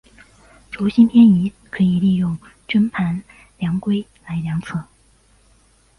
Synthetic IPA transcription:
ʈ͡ʂu˧˥ɕi˥npʰjɛ˥ni˧˥ | kʰɤ˧˥i˨˩li˥˧jʊ˥˩ŋ | ʈ͡ʂwə˥npʰa˧˥n | ljɑ˧˥ŋkwe˥ɪla˧˥ɪljɑ˧˥ŋt͡sʰɤ˥˩

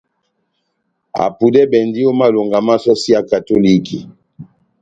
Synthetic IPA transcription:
a̰˨pu˨dɛ˦bɛ˨ndi˦o˦ma˦lo˨ŋɡa˨ma˦sɔ˦si˦a˨ka˨to˦li˦ki˨

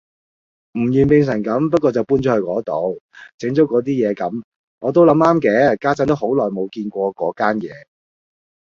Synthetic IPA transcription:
m̩˨˩jyː˨npɪ˧ŋs̬ɐ˨˩ŋkɐ˨˥mpɐ˥t̚kɔː˧t͡sɐ˨wpuː˥nt͡sɔ˨˥hːkɔː˨˥t̪o˨˧wt͡sɪ˨˥ŋt͡so˨˥wkɔː˨˥t̪̬iː˥jɛː˨˧kɐ˨˥m | ŋʔɔː˨˧t̪̬o˥wlɐ˨˧˥maː˥mkɛː˨˧˥kaː˥t͡sɐ˥nt̪o˥who˨˥wlɔː˨˩jmo˨˧wkiː˧nkʷɔː˧kɔː˨˥kaː˥njɛ̰ː˨˧

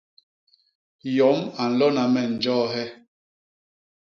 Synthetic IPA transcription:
jɔ˨˦ma˨n̩˨lɔ˦na˨mɛ˨n̩˨d͡ʒɔː˦ɦɛ˦

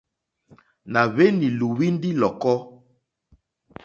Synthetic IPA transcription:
na˨βe˦ni˨lu˨wi˦ndi˦lɔ˨kɔ˦

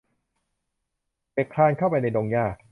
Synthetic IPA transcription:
peː˨˩kʰlaː˧nkʰa˥˩wpa˧jna˧jdoː˧ŋjaː˥˩k̚

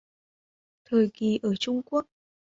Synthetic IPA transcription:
t̪ʰəː˨˩jki˨˩ʔəː˧˩t͡ɕʊ˧ŋ͡mku˦˥ək̚

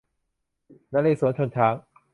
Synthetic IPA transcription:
na˦˥leː˧˩suː˨˩˦nt̪t͡ɕʰo˧nt̪ʰaː˦˥ŋ

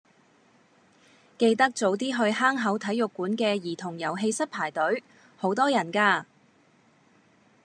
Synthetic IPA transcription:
ke˧jt̪ɐ˥k̚t͡so˨˥wt̪iː˥ɦɵ˧ɥɦaː˥ŋɦɐ˨˥wt̪ʰɐ˨˥jʊ˨kːuː˨˥nkɛː˧jiː˨˩t̪ʰʊ˨˩ŋjɐ˨˩wɦe˧jsɐ˥t̚pʰaː˨˩jt̪ɵ˨˥ɥ | ho˨˥wt̪ɔː˥jɐ˨˩nkaː˧

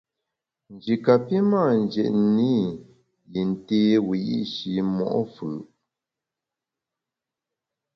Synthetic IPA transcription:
n̩˨d͡ʒi˨ka˨pi˦maː˦˨n˨d͡ʒɛ̰˨ʔni˦ | ji˨n˨te˦wi˨ʔḭ˦ʃi˨mɔ̰˨ʔɔ˦fʉ˨

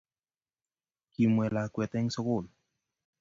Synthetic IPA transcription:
ki˨mwɛ˨la˨kwɛ˨t̪ɛ˦ŋso˦ko˦˨l

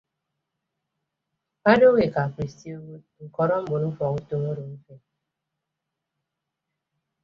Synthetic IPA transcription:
a˦do˦we˨ka˨pɾi˨sti˦o˦u˦ŋ̩˨kɔ˨ɾɔ˦m̩˦bʊ˨m̩˦fɔ˨ŋu˦to˦ŋo˦ɾo˨m̩˦fe˦

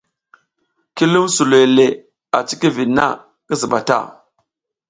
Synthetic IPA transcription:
ki˦lu˦msu˨le˨le˨ | a˨t͡ʃi˦ki˦vi˨nːa̰˦˨ | ki˦zi˨ɓa˨ta̰˦˨

